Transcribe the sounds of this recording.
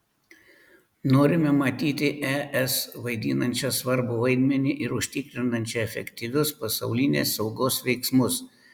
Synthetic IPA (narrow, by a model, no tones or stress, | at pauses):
noːɾʲɪmʲɛmɐt̪ʲiːt̪ʲɪʔɛʔɛsʋɐɪd̪ʲḭːnɐnʲt͡ʃʲɐsʋɐɾbʊʋɐɪd̪ʲmʲɛnʲɪʔɪɾʊʃʲt̪ʲɪkɾʲɪnɐnʲt͡ʃʲɛɛfʲɛ̰kʲt̪ʲɪʋʲʊspɐsɐʊlʲɪnʲḛːsːɒʊɡoːsʋʲɛɪksmʊs